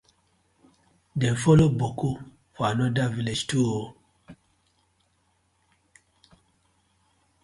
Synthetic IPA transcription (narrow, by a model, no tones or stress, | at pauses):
dɛnfoloboku | fanɔdaviled͡ʒtuo